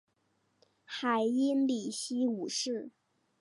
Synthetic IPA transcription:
xa˨˩ɪi˥nli˨˩ɕi˥u˨˩ʂɻ̩˥˩

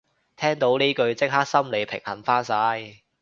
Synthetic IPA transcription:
t̪ʰɛː˥ŋt̪o˨˥wniː˥kɵ˧ɥt͡sɪ˥k̚haː˥k̚sɐ˥mle˨˧jpʰɪ̰˨˩ŋhɐ˨˩nfaː˥nsaː˧j

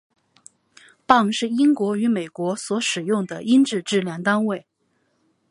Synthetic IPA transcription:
pɑ˥˧ŋʂɻ̩˥˩i˥ŋkwɔ˧˥y˧˥me˨˩ɪkwɔ˧˥swɔ˧˥ʂɻ̩˨˩jʊ˥˩ŋd̪ə˩i˥nʈ͡ʂɻ̩˥˧ʈ͡ʂɻ̩˥˧ljɑ˥˩ŋt̪a˥nwe˥˩ɪ

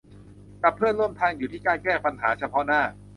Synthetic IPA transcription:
ka˨˩pʰːɯː˥˩ənɾu˥˩mt̪ʰaː˧ŋjuː˨˩t̪ʰiː˥˩kaː˧nkɛː˥˩pa˧nɦa̰ː˩˦t͡ɕʰa˧pʰɔ˦˥naː˥˩

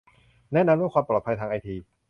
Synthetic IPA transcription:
nɛ˦˥˨na˧md̪ɯ˥˩əkwaː˧mpɾɔː˨˩t̪̚pʰa˧jt̪ʰaː˧ŋʔa˧jt̪ʰiː˧

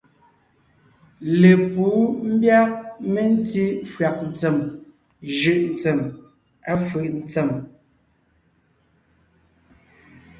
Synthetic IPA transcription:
le˨puː˨˦m̩˦bja˦k̚me˦n˦ti˦fɰa˨k̚n̩˨t͡se˨m | ʒʉ˨ʔn̩˨t͡sɛ˨m | a˦fʉ˨ʔn̩˦t͡sɛ˨m

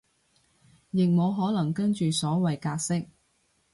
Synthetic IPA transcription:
jɪ˨k̚mo˨˧wɦɔː˨˥lɐ˨˩ŋkɐ˥nt͡ʃyː˨sɔː˨˥wɐ˨jkaː˧k̚sɪ˥k̚

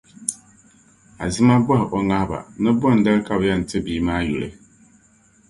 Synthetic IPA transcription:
a̰˨zɨ˦ma˦bɔ˦hɪ˨ʔo˨ŋa˦hba̰˨nɨ˦bɔ˦˨n̩˨da˦lka˨bjɛ˦˨n̩˨tɨ˦biː˦maː˦ju˨lɨ̰˨

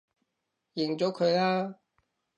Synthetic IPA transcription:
jɪ˨˩ŋt͡sɔː˨˥kʰɵ˨˧ɥlaː˥

